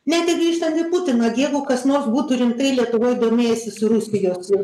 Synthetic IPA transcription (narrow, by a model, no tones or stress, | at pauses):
nʲɛt̪ʲɪɡɾʲiːʃt̪ɐnt̪ʲɪput̪ʲɪnɐɡʲeːʋʊːkɐsnoːrsbuːt̪ʊɾʲɪŋkt̪ɐɪlʲiɛt̪ʊʋoːjd̪oːmʲeːjɛsʲɪsʊɾʊsʲɪjoːsʲɪ